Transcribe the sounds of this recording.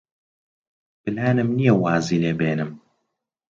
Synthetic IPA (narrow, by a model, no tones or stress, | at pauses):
b̥ɨlaːnɨmnijɐwaːziːleːbeːnɨm